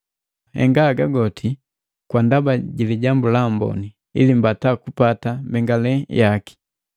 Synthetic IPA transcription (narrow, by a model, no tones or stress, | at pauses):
hɛ̰ŋɡaɡaɡɔtʰi | kwandabaɟiliɟambulambɔ̰ni | ḭlimbatakupatambɛŋɡalɛjaki̥